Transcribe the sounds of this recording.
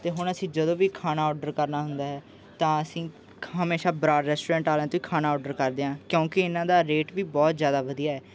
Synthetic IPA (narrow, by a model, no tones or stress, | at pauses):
t̪eːɦʊɳəsĩːd͡ʒəd̪õːʋiːkʰaːnaːɔːɖəɾkəɾnaːɦʊnd̪aːɦɛː | t̪ãːəsĩː | ɦəmeːʃaːbɾaːɖɾɛːsʈoːɾɛ̃ːɳʈaːlɛ̃ːt̪ʊiːkʰaːnaːɔːɖəɾkəɾd̪eːãːkjõːkɪɪnãːd̪aːɾeːʈʋiːbɔːt̪zjaːd̪aːʋəd̪ijaːɛː